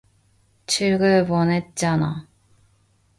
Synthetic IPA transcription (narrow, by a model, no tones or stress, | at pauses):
t͡ɕʰɯɭɡɯponet̚t͡ɕ͈ana